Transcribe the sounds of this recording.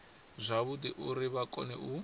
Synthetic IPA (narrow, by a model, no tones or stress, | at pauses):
zʷaβudiʔuɾiβakʼɔ̰nɛ̰ʔu